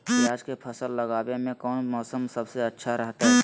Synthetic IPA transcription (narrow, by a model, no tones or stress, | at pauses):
iaːd͡ʒkepʰəsəlːəɡaːbemẽkɔːnmɔːsəmsəbseətːʃʰaɾəɦt̪aɦɛ